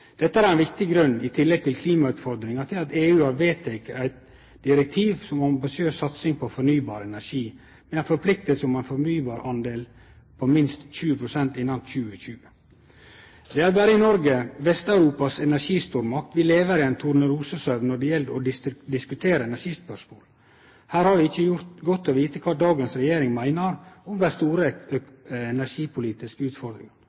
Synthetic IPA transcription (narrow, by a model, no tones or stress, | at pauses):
d̪̥ɛt̪ːəæɾænʋɪkt̪ɪɡɾʉnːɪt̪ʰɪlːɛɡ̚t̪ʰɪlkʰliːmɑʉːt̪fɔɾd̪ɾɪŋɑt̪ʰɪlɑt̪eːʉːhɑɾʋeːt̪ʰːɛkæɪt̪̚ | d̪̥ɪɾɛk̚t̪ʰiːʋsɔmɑmbɪsɪøːsːɑt̪sɪŋpʰɔfɔɾnyːbɑːɾɛnæɾʂiː | mɛænfɔɾpʰlɪk̚t̪əlsəɔmæɪnfɔɾnyːbɑːɾɑnd̪eːl | pʰɔmɪnst̪ɕʉːəpʰɾʊsɛnt̪ɪnːɑnɕʉːəɕʉːə | d̪ɛæɾbæːɾəɪnɔɾɡəʋɛst̪ɑʉɾuːpɑsɛnæɾʂiːst̪uːɾmɑk̚t̪ʋɪleːʋəɾɪɛnt̪ʰʊɾnəɾuːsəsœʋnɔɖɛjɛld̪ɔd̪ɪd̪ɪskʉt̪ʰeːɾəɛnæʂiːspœʂmoːl | hæːɾhɑɾʋɪɪçːəjʊɾt̪ɡɔt̪ːoːʋiːt̪əkʰʋɑːd̪ɑːɡənsɾɛjeːɾɪŋmæɪnəɾʊmd̪æst̪uːɾə | ɛnæɾʂiːpʰʊliːt̪ɪskəʉːt̪fɔɾd̪ɾɪ̰ŋɑn